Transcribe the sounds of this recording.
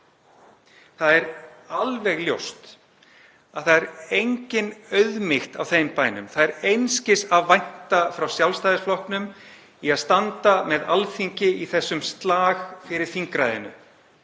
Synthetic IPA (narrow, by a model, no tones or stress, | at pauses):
θaðɛɾalvɛɣljowst̪ | aðθaðɛɾejɲcɪnœɥðmɪxt̪awθempaːjnʏ̰mθaðɛɾejnscɪsaðvajn̥t̪afɾawsjawlst̪ajðɪsflɔhknʏm | iaðst̪ant̪amɛða̰lθiɲcɪiθɛsːʏmst̪laːɣfɪɾɪɾ̥θiŋkɾajðɪ̰nʏ̰